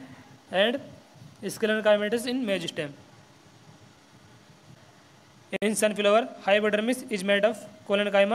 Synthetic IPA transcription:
ɛ̃ɳɖiskiləɳkajmeʈəsinmed͡ʑisʈem | eĩnsãnfiloʋəɾhajpəʈəɾmisid͡ʑmeʈɔfkoləɳkajma

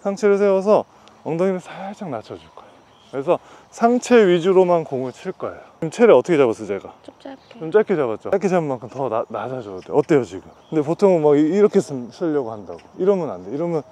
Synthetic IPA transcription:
sʰaŋt͡ɕʰe̞ɾɯɭs̬ʰewʌs̬ʰʌ | ʌŋdoŋinesʰasʰaŋnat͡ɕʰʌd͡ʑiɭk͈ʌeo | kɯɾes̬ʰʌ | sʰaŋt͡ɕʰe̞ɥid͡ʑuɾomankoŋuet͡ɕʰiɭk͈ʌejoɯmt͡ɕʰeɾɯʌtʰʌkʰeabas͈ʌt͡ɕeɡat͡ɕomt͡ɕ͈akʰet͡ɕabat̚t͡ɕ͈okʰed͡ʑʰaɯmaŋkʰɯmtʌnad͡ʑad͡ʑʌt͈ḛʌt͈ejod͡ʑiɡɯmkɯndep̬otʰoŋmaɡiiɾʌkʰesʰɯs͈ʰɯʎːʌɡohandaɡoiɾʌmʌnandeiɾʌmjʌn

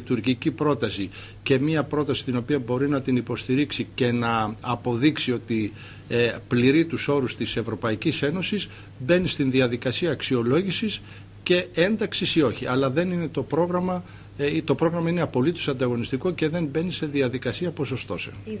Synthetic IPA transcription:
t̪uɾcicipɾo̞t̪ɐsi | ce̞miɐpɾo̞t̪ɐsi̥t̪ino̞piɐbo̞ɾinɐt̪inipo̞st̪iɾiksice̞nɐːpo̞ðiksio̞t̪i | pliɾit̪uso̞ɾust̪ise̞vɾo̞pɐicise̞no̞sis | be̞nist̪inðiɐðikɐsiɐːksio̞lo̞ʝisis | ce̞e̞nd̪ɐksisio̞çiʔɐ̰lɐðe̞nine̞t̪o̞pɾo̞ɣɾɐmɐ | t̪o̞pɾo̞ɣɾɐmɐine̞ɐpo̞lit̪osɐnd̪ɐɣo̞nist̪iko̞ce̞ðe̞mbe̞nise̞ðiɐðikɐsiɐpo̞so̞st̪o̞̰sḛ

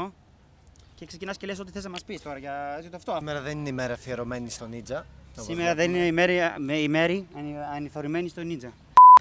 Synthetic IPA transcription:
o | ce̞kse̞cinɐsce̞leso̞t̪iθeznɐmɐspist̪o̞ɾɐʝɐet͡sit̪oft̪omeɾɐðenineimeɾɐfieɾome̞nist̪o̞nid͡zɐsimeɾɐðenineimeɾimeime̞ɾiɐɐniθo̞ɾimenist̪o̞nid͡zɐ

